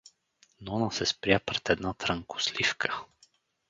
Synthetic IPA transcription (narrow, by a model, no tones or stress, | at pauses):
nɔnəsɛspɾʲjapɾɛt̪ɛd̪nat̪ɾəŋkʊ̥slifkʰə̥